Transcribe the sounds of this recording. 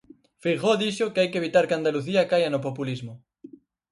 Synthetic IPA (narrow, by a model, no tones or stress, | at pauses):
fiɣoðiʃʊkeajkeβ̞it̪aɾkeand̪aluθiɐkajɐnop̬opulizmʊ